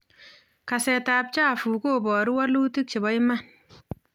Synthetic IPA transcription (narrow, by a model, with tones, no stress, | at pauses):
ka˨sɛ˨ta˨p̚t͡ʃa˦˨fu˨ko˦bɔ˨ɾi˦wa˦lu˦ti˦k̚t͡ʃɪ˨bɔ˦jma˦˨n